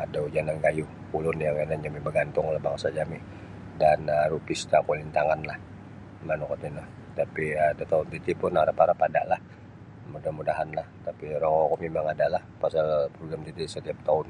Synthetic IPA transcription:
adaud͡ʒanankaju | kulʊnjaŋanand͡ʒamibəɡant̪ʊŋlahbaŋsad͡ʒamɪʔ | danəɾupist̪akulint̪aŋanlah | manukat̪inʊh | t̪apiadat̪aʊnt̪it̪ipʊnaɾapaɾapada̰ʔlah | mudahmudaɦanlaht̪apiɾɔŋɔkomimaŋadaʔlahpasalpɾoɡɾamt̪it̪isət̪iap̚t̪aʊn

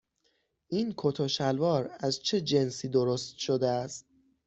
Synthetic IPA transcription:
ʔiːnkʰot̪ʰoʃælvɒːɾæzt͡ʃʰe̞d͡ʒensiːd̪oɾost̪̚ʃod̪eæst̪̚

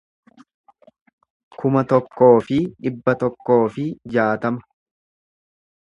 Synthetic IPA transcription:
kʊmɐt̪ɔkːo̞ːfɪᶑɪbːɐt̪ɔkːo̞ːfɪd͡ʒaːt̪ɐmɐ̥

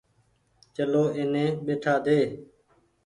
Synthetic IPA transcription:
t͡ʃəloːʔɪnẽːɓeːʈʰaːd̪eː

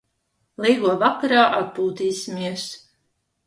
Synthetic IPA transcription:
lˠɛjɡuɔvakaɾaːʔat̪̚puːt̪iːsʲimiɛs

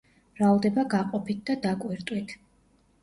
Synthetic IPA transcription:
ɾalˠd̪ɛbaɡaqʼɔpʰit̪̚ʰd̪ad̪akʼwiɾt̪ʼwit̪ʰ

